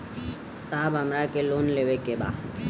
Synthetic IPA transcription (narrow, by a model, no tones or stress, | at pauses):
saːbɦəmɾakeloːnleːʋekeba̰ːd̪